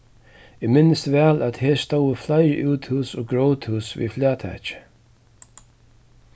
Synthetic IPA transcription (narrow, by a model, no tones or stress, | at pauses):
ɪmɪnɪst̪vɛːlæt̪heːst̪owəflaɪɾəʔuːt̪huːsɔːɡɹoʊt̪huːsvḭːflaːt̪ʰɛ̰ːt͡ʃɪ̥